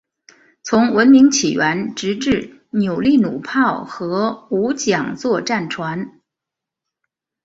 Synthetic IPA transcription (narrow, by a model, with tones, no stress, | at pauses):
t͡sʰʊ˧˥ŋwə˧˥nmi˧˥ŋt͡ɕʰi˨˩ɥɛ˧˥nʈ͡ʂɻ̩˧˥ʈ͡ʂɻ̩˥˩ | njo˨˩ʊli˥˩nu˨˩pʰɑ˥˩ʊxɤ˧˥u˧˥t͡ɕjɑ˨˩ŋt͡swɔ˥˧ʈ͡ʂa˥˩nʈ͡ʂʰwa˧˥n